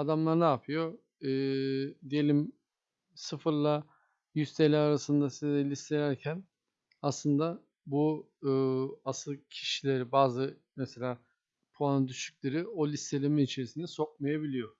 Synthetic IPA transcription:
ad̪amlˠaɾnaːpʰɯjo̞ | ɯːd̪ije̞lʲim | sɯfɯɾlˠa | jyst̪ʰelʲæɾaɾasɯnd̪asized̪ɛlʲist̪ʰelʲæɾcʰæn | aslˠɯnd̪a | buː | asɯlˠcʰi̥ʃilʲeɾibaːzɯ | mese̞lʲaː | pʰoand̪yʃt̪yc̚lʲeɾiolʲist̪ʰelʲeminit͡ʃʰe̞ɾisinɛso̞k̚majabilʲijo̞

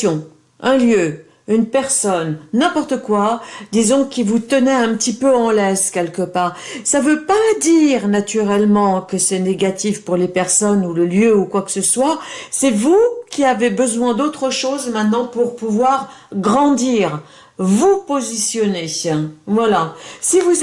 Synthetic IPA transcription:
ɔ̃ | ɛ̃ljø | ynpɛʁsɔnːɛ̃pɔʁt̪əkwad̪izɔ̃kʲivut̪ənɛɛ̃pət̪ipøɑ̃lɛskʲɛlkəpaːʁsavøpad̪iʁnat̪yʁɛlmɑ̃kəsɛneɡat̪ifpuʁlepɛʁsɔnuləljøukwakə̥səswasɛvukʲiavebəzwɛ̃d̪ot̪χəʃozmɛ̃t̪nɑ̃puʁpuvwaʁɡʁɑ̃d̪iʁ | vupozisjɔnevwalasivu

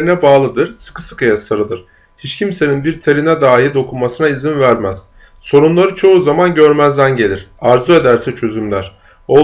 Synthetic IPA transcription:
ɾinɛbaːlˠɯd̪ɯɾ̥sɯ̥kɯ̥sɯ̥kʰajasaɾɯd̪ˠɯɾ̥ | hit͡ʃcʰimse̞ninbiɾt̪ʰeɾinɛd̪aːɦid̪o̞kʰunmasɯnaizinvæɾmæz̥ | so̞ɾunlˠaɾɯt͡ʃʰo̞uzamanɟø̞ɾmæzd̪ænɟe̞lʲiɾ̥aɾzue̞d̪æɾsɛt͡ʃʰø̞zymlʲæɾ̥ | o

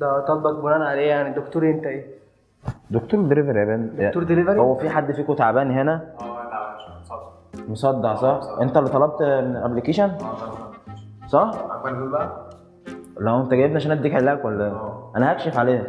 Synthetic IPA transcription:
d̪æt̪ɑbɑkboɾænʕaleːjaʕnid̪okt̪oːɾiʔent̪æʔeː | d̪ok̚t̪uːɾd̪eɾivæɾiʔæbænd̪t̪oɾd̪elivɾhowːæfiħad̪ːfiːkot̪aʕbæːniɦenæ | mosˤɑd̪ːɑʕsˤɑħʔent̪ælːet̪ˤɑlɑb̚t̪ʔæblikeːʃæn | sˤɑħbæʔæ | læent̪æɡæjebniʔaʃænæd̪iːkʕelæækwælʔænæhækʃefʕaleː

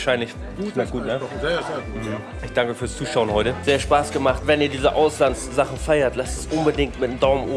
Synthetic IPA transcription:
ʃaɪnlɪç | naɡ̥uːtnə | m̩m̩ | ɪçd̥aŋkəfyːɐst͡suːʃaʊənhɔʏtəz̥eːɐʃpaːsɡ̥əmaχtvɛniːɐdiːzəʔaʊslansz̥aχn̩faɪɐtlastɛsʔʊnbədɪŋtmɪtm̩daʊmmʔoː

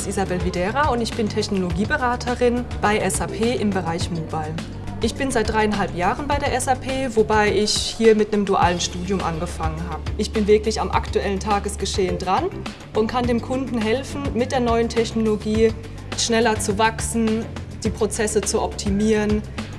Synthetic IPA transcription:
stʔizabɛlvidɛːʁaʊntɪçb̥ɪntʰɛçnoloɡiːbəʁaːtʰəʁɪnb̥aɪʔɛsapʰeːʔɪmbəʁaɪçmoːbaɪl | ʔɪçb̥ɪnzaɪt̚d̥ʁaɪənɦalpjaːʁənbaɪdeːɐʔɛsapʰeːvobaɪɪçhiːɐmɪtnəmduʔa̰ːlənʃtuːdjʊmʔa̰nɡəfaŋənɦaːbəʔɪçb̥ɪnvɪɐklɪçamʔa̰ktuɛləntʰaːɡəsɡ̥əʃeːəndʁan | ʔʊntkʰandeːmkʰʊndn̩ɦɛlfn̩mɪt̚d̥eːɐnɔʏəntʰɛçnoloɡiː | ʃnɛlɐt͡suvaksn̩ | d̥iːpʁ̥ot͡sɛsət͡suʔɔp̚tʰimiːʁən

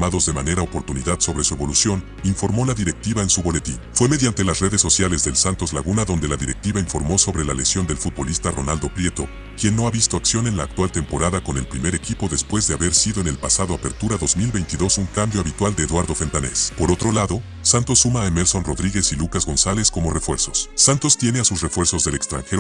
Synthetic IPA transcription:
maðo̞zðe̞mane̞ɾaopo̞ɾt̪uniðaðso̞βɾe̞sue̞βo̞lusjo̞n | iɱfo̞ɾmo̞laðiɾe̞k̚t̪iβaensuβo̞le̞t̪infwe̞me̞ðjant̪e̞lasre̞ðesːo̞sjale̞zðe̞lsant̪o̞zlaɣunaðo̞nd̪e̞laðiɾe̞̰k̚t̪iβaiɱfo̞ɾmo̞so̞βɾe̞lale̞sjo̞nd̪e̞lfut̪̚bo̞list̪aro̞̰nald̪o̞pɾje̞t̪o̞ | kje̞nːo̞aβist̪o̞aksjo̞ne̞nlaːk̚t̪walt̪e̞mpo̞ɾaðako̞ne̞lpɾime̞ɾe̞kipo̞ðe̞spwe̞zðe̞aβe̞ɾsiðo̞ene̞lpasaðo̞ape̞ɾt̪uɾaðo̞zmilβe̞jnt̪iðo̞suŋkambjo̞aβit̪wald̪eːðwaɾðo̞fe̞nt̪ane̞̰spo̞ɾo̞t̪ɾo̞laðo̞ | sant̪o̞sːumaːeme̞ɾso̞nro̞ðɾiɣe̞silukazɣo̞nsale̞sko̞mo̞re̞fwe̞ɾso̞̥sːant̪o̞st̪je̞ne̞asusre̞fwe̞ɾsozðe̞le̞kst̪ɾa̰ŋxe̞ɾo

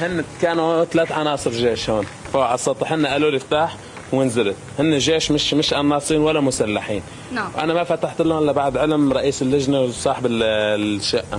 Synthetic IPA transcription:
hɪnːkaːnt̪alaːt̪ʕɑnɑːsˤɨɾˤʒeːʃhoːn | faʔɑsˤt̪ːɑt̪ˤːiħɪnːaʔaluːljɪft̪aːħ | wɪnzalɪt̪hɪnːeʒeːʃmɪʃmɪʃʔanːɑːsˤiːnwalːamʊsalːaħiːn | wʔa̰namafat̪aħt̪ɪlʊːʔɪlːabaʕd̪ʕɪlmɾˤɑʔiːsɪlːɪʒnawsˤɑːħɪbɪlʃːaʔa

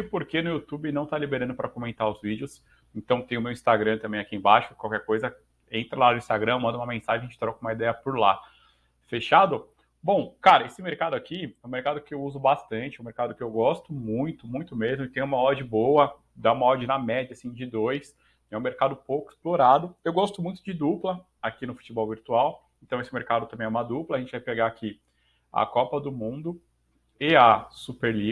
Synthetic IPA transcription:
ɪpoɾkenʊjut̪ubɪnɐ̃w̃t̪alibeɾɐ̃nd̪ʊpɾɐkomẽnt̪aɾʊzvid͡ʒɪʊs | ẽt̪ɐ̃w̃t̪ẽj̃ʊmewĩst̪aɡɾɐ̃t̪ɐ̃bẽj̃akiẽbaʃʊkwawkɛɾkojzɐ | ẽnt̪ɾɐlanʊĩst̪aɡɾɐ̃mɐ̃nd̪ɐumɐmẽsaʒẽɐẽt͡ʃɪ̥t̪ɾɔkũmɐid̪ɛjɐpʊɾla | feʃad̪ʊ | bõw̃kaɾɐesɪmeɾkad̪ʊakiɛũmeɾkad̪ʊkɪewuzʊbast̪ɐ̃t͡ʃɪɛũmeɾkad̪ʊkɪewɡɔst̪ʊmũj̃t̪ʊmũj̃t̪ʊmezmʊɪt̪ẽj̃ũmɐɔd͡ʒɪbowɐ | d̪aũmɐɔd͡ʒɪnɐmɛd͡ʒɐsĩd͡ʒɪd̪ojs | ɛũmeɾkad̪ʊpowkʊɪ̥sploɾad̪ʊewɡɔst̪ʊmũj̃t̪ʊd͡ʒɪd̪uplɐ | akinʊfu̥t͡ʃɪbɔwviɾt̪uaw | ẽnt̪ɐ̃w̃esɪmeɾkad̪ʊt̪ɐ̃mẽɛũmɐd̪uplɐʒẽnt͡ʃɪvajpeɡaːkʰi | ɐ̰kɔpɐd̪ʊmũd̪ʊ | ɪɐsupeɾli

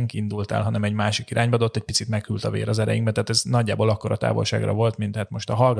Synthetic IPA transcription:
ŋkind̪ult̪a̰ːlɦɒnɛmɛɟmaːʃikiɾʔaːɲbɒɒd̪ot̪ːɛc̚pit̪sit̪mɛkhylt̪ɒvḛːɾɒzɛɾɛ̰jiŋɡbɛnt̪aːt̪ɛznɒɟːaːboːlɒkːo̞ɾɒt̪a̰ːvo̰lʃa̰ːɡrɒ̰vo̞lt̪mint̪hat̪mo̞ʃt̪ɒɦɒlɡ

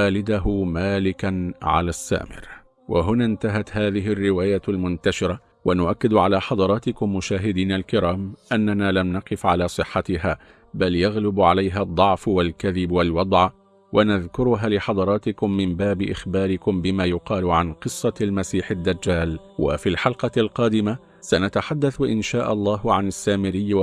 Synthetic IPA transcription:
aːlɪd̪aɦʊmaːlɪkanʕa̰laːsːa̰ːmɪ̰ɾ | waɦʊnaːnt̪aɦat̪haːðɪɦɪrːɪwaːjalmʊnt̪aʃɪɾa | wanʊʔakːɪd̪ʕalaːħɑd̪ˤɑɾˤɑːt̪ɪkʊmːʊʃaːɦɪd̪iːnalkɪɾaːmʔanːanaːlamnɑqɨfʕalaːsˤɨħːat̪ɪɦaː | baljaɣlɪbʕalajɦad̪ˤːɑʕfwalkaðɪbwalwɑd̪ˤʕ | wʔanaðkʊɾʊɦaːlɪħɑd̪ˤɑɾˤɑːt̪ɪkʊmːɪmbaːbɪʔɪxbɑːɾɪkʊmbɪmaːjʊqɑːlʊʕanqɨsˤːɑlmasiːħɪd̪ːad͡ʒːaːlwa̰fiːlħɑlqɑlqɑːd̪ɪma | sanat̪aħad̪ːaθʔɪ̰nʃaːʔɑ̰lˤːɑːhʕanasːaːmɪɾɪjː

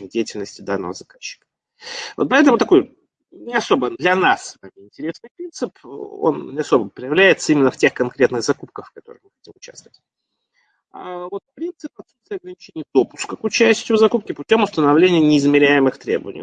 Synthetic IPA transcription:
dʲejɪtʲɪlʲnəsʲtʲɪd̪anːə̰vəzɐkaɕːɪ̥kə̥ | vo̞t̪̚pɐɛt̪əmʊt̪ɐko̞j | nʲɪɐso̞bəd̪lʲɐnasvamʲɪɪnʲtʲɪɾʲe̞snɨjpɾʲint̪sɨpo̰nnʲɪɐso̞bəpɾʲɪjɪvlʲæjɪt̪səimɪnːəftʲexkɐnkɾʲe̞t̪nɨɣzɐkup̚kəxfkɐt̪o̞ɾəɨ̰mɨxɐtʲimʊt͡ɕa̰st̪əvətʲ | a̰vo̞t̪pɾʲint̪sɨpɐt̪sut̪st̪vʲɪɐɡɾənʲɪt͡ɕenʲɪjud̪o̞pʊ̥skəkʊt͡ɕæsʲtʲʊvzɐkup̚kʲɪpʊtʲo̞mʊst̪ənɐvlʲenʲɪjənʲɪɪzmʲɪɾʲæjɪmɨxt̪ɾʲḛbə̰vənʲɪ̰j

